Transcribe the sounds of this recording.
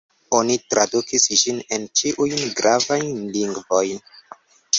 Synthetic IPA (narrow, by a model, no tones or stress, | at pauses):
o̞nitɾadukisd͡ʒine̞nt͡ʃiʔujnɡɾavajnliŋɡvo̞jn